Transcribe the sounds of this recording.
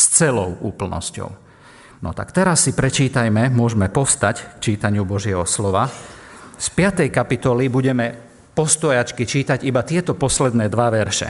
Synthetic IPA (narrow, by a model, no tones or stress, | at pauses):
st͡sɛlɔʊuːpl̩nɔ̰scɔ̰ʊ | nɔ̰t̪a̰kt̪ɛɾasːipɾɛt͡ʃiːt̪ajmɛmʊɔʒmɛpɔst̪ackt͡ʃiːt̪aɲɪubɔʒɪɛɦɔslɔʋa | spɪat̪ɛjkapit̪ɔlibuɟɛmɛ | pɔst̪ɔjat͡ʃkit͡ʃiːt̪aɟibat̪ɪɛt̪ɔpɔslɛd̪nɛːd̪ʋaʋɛɾʃɛ̰